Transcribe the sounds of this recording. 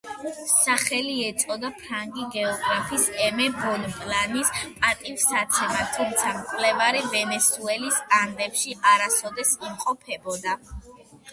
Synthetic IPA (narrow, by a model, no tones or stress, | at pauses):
saχɛliɛt̪sʼɔd̪apʰɾaŋɡiɡɛɔɡɾapʰisɛmɛbɔnpʼlanispʼat̪ʼivsat̪sʰɛmat̪ʰumt̪sʰamt̪sʼlɛvaɾivɛnɛsuɛlisand̪ɛpʃiʔaɾasɔd̪ɛsimqʼɔpʰɛbɔd̪a